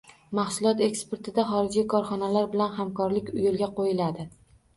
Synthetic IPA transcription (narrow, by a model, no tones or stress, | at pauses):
mɑhsʊlˠɒt̪e̞kspe̞ɾt̪ʰɪd̪aχɒɾɪd͡ʒikʰɒɾχɒnalaɾbɪlanhamkʰɒɾlɪkʲʊjolˠɡʲaqojɪlad̪ɪ